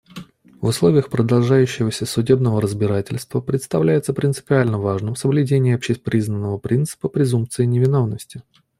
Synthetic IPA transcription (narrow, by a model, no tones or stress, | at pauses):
vʊslˠo̞vʲɪjəxpɾəd̪ɐlˠʐajʉɕːɪvəsʲəsʊdʲe̞bnəvəɾəzbʲɪɾatʲɪlʲst̪vəpɾʲɪt̪st̪ɐvlʲæjɪt̪səpɾʲɪnt̪sɨ̥pʲɪalʲnəvaʐnɨmsəvlʲʉdʲenʲɪːɐpɕɪpɾʲiznənːəvəpɾʲʔint̪sɨ̥pəpɾʲɪzumpt̪sɨɪnʲɪvʲɪno̞vnəsʲtʲɪ